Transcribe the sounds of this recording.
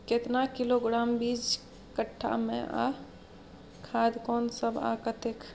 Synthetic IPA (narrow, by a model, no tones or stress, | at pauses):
ket̪nakiloɡɾaːmbid͡ʒ | kəʈʰːa̰mḛ̃ʔa̰ | kʰaːd̪kɔːnsəbʱa̰kət̪ɪk